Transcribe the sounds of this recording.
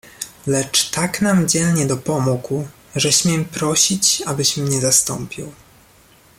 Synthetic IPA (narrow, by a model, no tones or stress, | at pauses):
lɛt͡ʂt̪aknamd͡ʑɛlɲɛd̪ɔpɔmuku | ʐɛɕmʲjɛmpɾɔɕit͡ɕabɘɕmɲɛzast̪ɔ̰mpʲḭw